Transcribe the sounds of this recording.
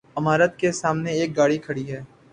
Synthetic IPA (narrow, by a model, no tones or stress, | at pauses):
ɐmaːɾət̪̚kesaːmneeːk̚ɡaːɽikʰɐɽiɦɛː